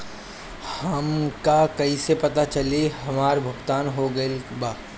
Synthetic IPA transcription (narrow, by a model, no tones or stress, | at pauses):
hɐmkakɐisepɐt̪at͡ʃɐliɦɐmaːɾbʱʊɡt̪aːnɦoɡɐebaː